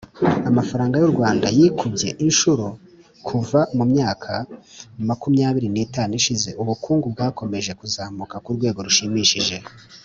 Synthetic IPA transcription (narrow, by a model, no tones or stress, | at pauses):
amafaɾaːŋɡajoɾɡwaːndajikubje̞̰ʔinʃuɾo | kʰuvamumɲaːkʰamakumɲaːβiɾiniːtaːniʃize̞ʔuβukʰuːŋɡub̚ɡaːko̞me̞ʒe̞kuzaːmukakuɾɡweːɡo̞ɾuʃimiːʃiʒe̞